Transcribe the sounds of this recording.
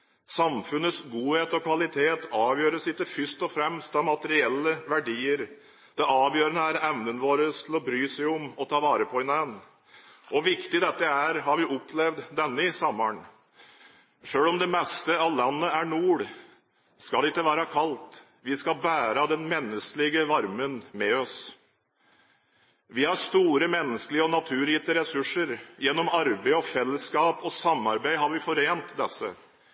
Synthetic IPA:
sɑmfʉnəsɡuːheːt̪ɔkʰʋɑlɪt̪ʰeːt̪ʰɑːʋjøːɾəsɪt̪ːəfʏʂt̪ɔfɾɛmst̪ɑmɑt̪əɾɪɛlːəʋæɖiːəɾ | d̪̥ɛʔɑːʋjøːɾənəæɾɛʋnənʋoːɾəst̪ʰɪlɔbɾyːsɛɪʊmɔt̪ʰɑːʋɑːɾəpʰɔɪnæn | ʔɔʋɪkt̪ɪd̪ɛt̪ːəæɾɦɑɾʋɪʔɔpʰːlɛʋd̪d̪ɛnːəɪsɔmːəɳ | ʂøːlɔmd̪ɛmɛst̪əɑlɑnːəæɳuːɽ | skɑlɛɪkːəʋæːɾɑkʰɑlt̪ | ʋɪskɑlbæːɾɑd̪ɛnmɛnːəsklɪɡəʋɑɾmənmɛɔs | ʋɪhɑɾst̪uːɾəmɛnːəskəlɪəɔnɑt̪ʰʉːɾiːt̪əɾɛsʉʂːəɾjɛnːɔmɑɾbeɪɔfɛlːəskɑːpɔsɑmːɑɾbæɪɦɑɾʋɪfɔɾeːnt̪d̪ɛsə̰

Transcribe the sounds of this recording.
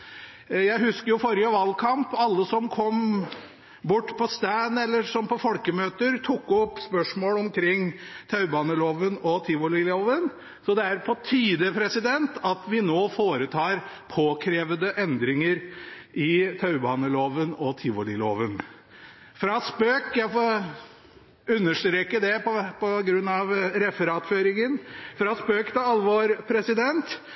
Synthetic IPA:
jæɪɦʉskəɾjʊfɔɾɪəʋɑlːkʰɑmpɑlːəsɔmkʰɔm | bʊʈːpʰɔst̪æːnɛlːəʂɔmpʰɔfɔlkəmøːt̪əɾt̪ʰʊkːɔpːspœʂmoːlɔmkʰɾɪŋːt̪ʰɑʉbɑːnəloːʋənɔt̪ʰɪːʋɔlɪloːʋən | sɔd̪ɛæɾpʰɔt̪ʰyːd̪əpʰɾɛsɪd̪ɛnt̪ɑt̪ʋɪnoːfoːɾət̪ʰɑːɾ | pʰoːkʰɾeːʋəd̪əʔɛnd̪ɾɪŋəɾʔɪt̪ʰɑʉbɑːnəloːʋənɔt̪ʰɪːʋɔlɪlo̰ːʋən | fɾɑspøːkjæɪfo | ʉnːəʂʈ̪ɾeːkəd̪ɛpʰɔpʰɔɡɾʉnːɑʋɾɛfəɾɑːt̪føːɾɪŋənfɾɑspøːkt̪ɪɑlːʋoːɾpʰɾɛsɪd̪ɛnt̪

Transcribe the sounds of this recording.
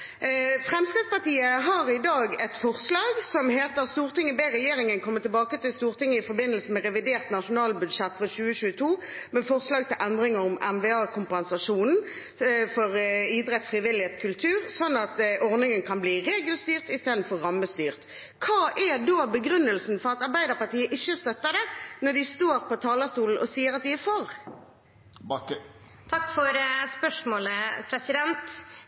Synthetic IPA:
fʁɛmst̪eːspɑʁt̪iːəɦɑʁɪd̪ɑːɡɛt̪fɔʁslɑːɡsɔmheːt̪əʁst̪uːʁt̪ɪŋːəbeːʁɛjeːʁɪŋənkʰɔmːət̪ɪlbɑːkət̪ɪlst̪uːʁt̪ɪŋːəɪfɔɾbɪnːəlsəmɛʁɛʋɪd̪eːʁt̪nɑʂʊnɑːlbʉd̪ʂɛt̪ːʋɔɕʉːəɕʉːət̪ʰuːmɛfɔʁslɑːɡ̚t̪ʰɪlʔænd̪ʁɪŋəɾʊmʔɛnʋɛːɑːkʊmpɛnsɑʂuːnn̩ | fɔʁiːd̪ʁɛt̪ːfʁɪʋɪlɪheːt̪skʰʉlt̪ʰʉːʁsɔnːɑt̪ʔɔʁnɪŋənkʰɑnbliːʁeːɡəlst̪yːʁt̪ɪst̪eːd̪n̩fɔʁʁɑmːəst̪yːʁt̪ | kʰɑːʔæd̪oːbəɡɾʉnːəlsn̩fɔʁɑt̪ɑʁbæɪd̪əʁpɑʁt̪iːəʔɪçːəst̪œt̪ːəd̪ɛnɔd̪ɪst̪oːɾpɔt̪ʰɑːləst̪uːln̩ʔɔsiːəɾɑt̪̚d̪ɪæfɔɾ | b | t̪ʰɑkːfɔɾspœʂmoːləpʰɾɛsɪd̪ɛnt̪

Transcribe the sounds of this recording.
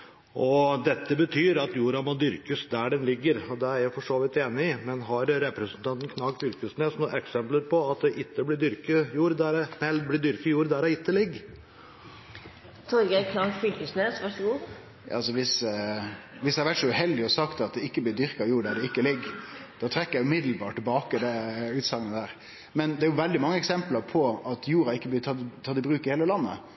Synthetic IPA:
ʔɔd̪ɛt̪ːəbət̪ʰyːɾɑt̪juːɾɑmɔd̪ʏɾkəsd̪æɖɛnlɪɡːəɾɔd̪ɛæɾjæfɔʂoːʋət̪eːnɪɪmɛnɦɑɾɾɛpɾɛsənt̪ʰɑnt̪n̩kʰnɑːɡfʏlkəsneːsnuːʔɛksɛmpləɾpʰɔɑt̪̚d̪ɛʔɪt̪ːəblɪɖ̪ʏɾkəjuːɾd̪æɾɛnɛl̚blɪɖ̪ʏɾkəjuːɾd̪æɾɔɪt̪ːəlɪɡː | t̪ʰɔɾɡəkʰlɑlfʏlkəsneːsʋæʂəɡṵː | ɑlsɔʋɪs | ʋɪsjæhɑɾʋæʈsɔʉhɛld̪ɪɔsɑkt̪ɑt̪̚d̪ɛɪkːəblɪːd̪ʏɾkɑjuːɖ̪æɖɛɪkːəlɪɡːd̪̥ɑːt̪ʰɾɛkːəjæɪʉmɪd̪l̩bɑːʈʈːɪlbɑːkəd̪ɛʉːt̪sɑŋːənəd̪æːɾ | mɛnd̪ɛæɾjʊʋɛld̪ɪmɑŋːəɛksɛmpləɾpʰɔɑt̪juːɾɑɪkːəblɪt̪ʰɑt̪t̪ʰɑt̪ːɪbɾʉːkəheːləlɑnːə̰

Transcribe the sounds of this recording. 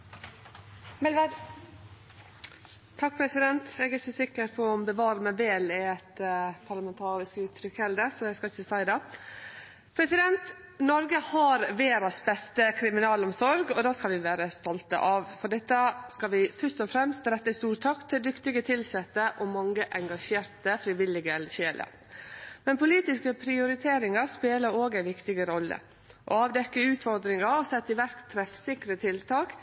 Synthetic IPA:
mɛlʋɛd̪ | t̪ʰɑk̚ːpʰɾɛsɪd̪ɛnt̪ɛːɡɛɾçəsɪkːəɾpʰɔɔmbəʋɑːɾəmæʋeːlɪɛt̪pʰɑɾlɑmɛnt̪ʰɑːɾɪskʉːt̪ʰɾʏkɛld̪əsɔjæɡskɑlçəsæɪd̪ɑ | pʰɾɛsɪd̪ɛnt̪ | nɔɾɡəhɑɾʋeːɾɑsbɛst̪əkʰɾɪmɪnɑːlɔmsɔɾɡɔd̪ɑːskɑlʋɪʋæːɾəst̪ɔlt̪ə̰ʔɑʋfɔɖɛt̪ːəskɑlʋɪfœʂt̪ɔfɾɛmst̪ɾɛt̪ːəst̪uːɾt̪ʰɑkt̪ʰɪld̪ʏkt̪ɪɡət̪ʰɪlsɛt̪ːəʔɔmɑŋːəʔɛŋɡɑʂeːɾt̪əfɾɪʋɪlɪɡəɛlɕeːlə̰ | mɛnpʊliːt̪ɪskəpʰɾɪʊɾɪt̪ʰeːɾɪŋɑɾspeːləɾoːɡæɪʋɪkt̪ɪɡəɾɔlːə̰ | ʔɔ̰ɑːʋd̪ɛkːəʉːt̪fɔɾd̪ɾɪŋɑɾɔsɛt̪ːɪʋæɾkt̪ʰːɾɛfsɪkɾət̪ʰɪlt̪ʰɑːk

